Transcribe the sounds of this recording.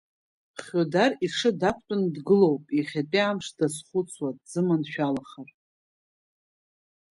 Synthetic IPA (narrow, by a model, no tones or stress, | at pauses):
χʲodariʂɨdakʷʰʼtʼʊndɡɨlo̞wpʼiχʲapʼiamʂdasχʷʊt͡sʰwadzɨmanʃᶣalaχar